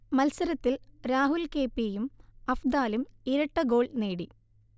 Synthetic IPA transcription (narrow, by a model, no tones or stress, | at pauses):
mɐlsɐɾɐt̪ːilɾaːɦulke̞ːpːeːjumɐfd̪aːlumiɾɐʈːɐɡo̞ːɭneːɽi